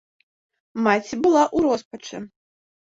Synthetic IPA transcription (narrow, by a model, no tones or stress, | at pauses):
mat͡sʲibɨlˠaʔuɾɔspɐt͡ʂɨ̰